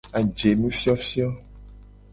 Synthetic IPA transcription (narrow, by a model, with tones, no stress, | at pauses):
a˨d͡ʒe˨nũ˦fi˦ɔ˦fi˦ɔ˦